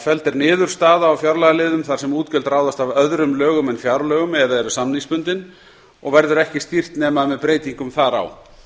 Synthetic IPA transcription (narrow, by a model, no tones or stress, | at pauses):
fɛlt̪ɛɾnɪːðʏɾ̥st̪aːðaːwfjawɾlaɣalɪːðʏmθḁsɛmuːt̪cɛlt̪raːwðast̪avœðɾʏmlœːɣʏmɛnfjawɾlœːɣʏmɛðɾaðɛɾʏsamnispʏnt̪ɪn | ɔɣvɛɾðʏɾɛhcɪst̪ir̥t̪nɛːmaðmɛðpɾeːjt̪iŋkʏmθaɾa̰w